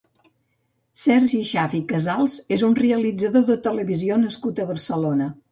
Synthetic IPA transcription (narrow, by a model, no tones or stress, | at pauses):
sɛɾʒiʃafikəzalˠzezunreəlid͡zəðoðət̪ələβizionəskut̪əβəɾsəlonə